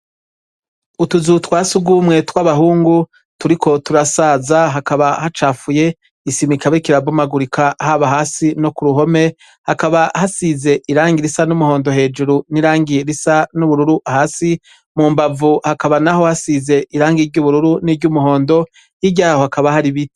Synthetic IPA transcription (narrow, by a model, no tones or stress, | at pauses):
utuzutwaːsuɡumŋe̞twaβaɦuːŋɡu | tuɾikʰo̞tuɾasaːzaɦakaβahat͡ʃaːfuje̞ | isimikaβekiɾabumaɡuɾikʰahaβaɦaːsino̞kuɾuɦo̞me̞ | hakaβahasize̞ʔiɾaːŋɡiɾisanumuho̞ːndo̞ɦe̞ːd͡ʒuɾuniɾaːŋɡiɾisanuβuɾuɾuʔahaːsi | mumbavuhakaβanaho̞hasize̞iɾaːŋɡiɾɟuːβuɾuɾuniɾɟumuɦo̞ːndo̞ | iɟaːho̞hakaβahaɾiβi